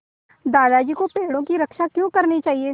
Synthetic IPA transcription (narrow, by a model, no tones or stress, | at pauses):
d̪aːd̪ad͡ʒiːkopeːɽõkiɾɐkʃakjõːkɐɾnit͡ʃaːɦie